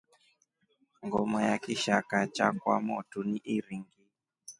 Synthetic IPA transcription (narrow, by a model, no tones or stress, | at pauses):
ŋɡɔmɔjakiʃakat͡ʃakwa̰mɔtuniʔiɾiŋɡi